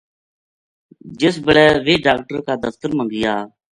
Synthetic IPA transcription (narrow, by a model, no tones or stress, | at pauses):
d͡ʒɪsbəɽɛːʋeːɖaːk̚ʈəɾkaːd̪əft̪əɾmə̃ŋɡɪjaː